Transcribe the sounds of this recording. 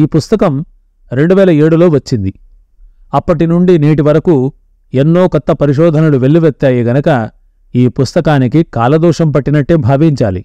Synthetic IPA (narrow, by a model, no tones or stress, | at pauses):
iːpust̪ɐkɐm | ɾe̞ɳɖuʋɛːlɐeːɽulo̞ːʋɐt͡ʃːind̪i | ɐpːɐʈinuɳɖiniːʈiʋɐɾɐku | enːo̞ːkɐt̪ːɐpɐɾiʂ̬ɔːd̪ʱɐnɐluʋe̞ɭːiʋet̪ːaːjeːɡɐnɐkɐ | iːpust̪ɐkaːnikikaːlɐd̪ɔːʂɐmpɐʈːinɐʈːeːbʱaːʋiɲt͡ʃaːlḭ